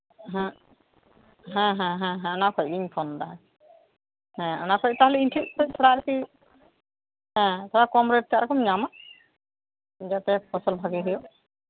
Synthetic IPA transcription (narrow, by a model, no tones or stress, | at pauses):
ɦɛ̃ | ɦɛ̃ɦɛ̃ɦɛ̃ɦɛ̃nakʰɔjɡiŋpʰɔnd̪aɦa | hɛ̃nakʰɔj̚t̪aɦlɛinʈʰiʔkʰɔt̪ʰɔɽaɾki | ɦɛ̃t̪ʰɔɽakɔmɾeʈ̚t̪ʰiaɾɔkʰɔmɲama | d͡ʒat̪ɛpʰɔsɔlbʱaɡiɦɔjɔ